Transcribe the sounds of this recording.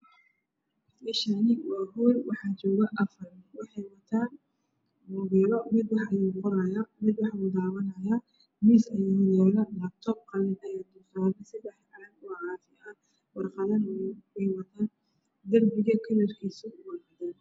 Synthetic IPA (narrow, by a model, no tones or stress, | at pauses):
ɪʃɐnɪwɑːɦɔːlwɑħɑːt͡ʃɔːɣɐʔɐfɐrɪnwɑħɑjwɐt̪ʰaːn | mʊɣɛːlɔmɪd̪wɑħɐjuːqɔɾɐjaːmɪd̪wɑħjuːd̪aːβɐnɐjaː | misɐjiːjɛːlɐlɐb̚t̪ʰɔb̚qɐlɪɐjaːd̪ʊsaːnɐsɪbɑħʕɑɾɐɡɔʕɑːfɪɐ | wɑrqɑðɐnɛjwɐt̪ʰaːn | d̪ɐrbɪɣɐkʰɪlɐrkʰiːsʊwɑrqɑðaːn